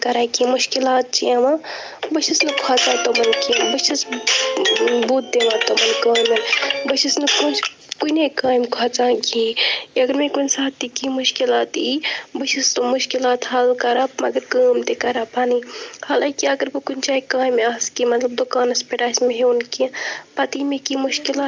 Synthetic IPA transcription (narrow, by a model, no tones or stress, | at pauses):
kɐɾakimuʃkilaːt̪̚t͡ʃʰiɐmã | bət͡ʃisnɨkʰat͡ʃãːt̪omɐnkibəʃis | buːt̪̚d̪eʋãːt̪omɐnkaːjmɐnbəʃisnɨkot͡ʃ | kuinekaːjmkʰaːt͡ʃãːkiiɐɡəɾmekunsaːt̪ːikimuʃkilaːt̪ibət͡ʃʰist̪omuʃkilaːt̪hɐlkɐɾap̚mɐɡəɾkaːmt̪ekɐɾapaːnihɐlakiɐɡəɾkokunʲt͡ʃaːikaːjmaːskimɐt̪lɐb̚d̪ukaːnɐspeʈaːsmeɦeunkĩpɐt̪imekimuʃkilaː